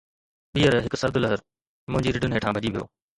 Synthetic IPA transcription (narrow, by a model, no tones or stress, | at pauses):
ɓiːəɾɦɪksɐɾd̪ʊləɦəɾ | mʊ̃ɦɪ̃ɲd͡ʑiɾɪɖɪnɦeːʈʰãːbʱɐd͡ʑiʋijo̰ː